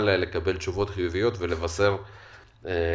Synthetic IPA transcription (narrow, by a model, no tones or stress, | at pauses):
lele̞kabe̞lt͡ʃuvo̞t̪χijuvijo̞t̪vele̞vase̞ʁ